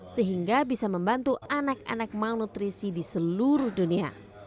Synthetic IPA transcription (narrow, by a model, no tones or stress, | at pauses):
səɦiŋɡabisaməmbant̪uanak̚a̰nak̚manut̪ɾisidisəluɾʊhdunia̰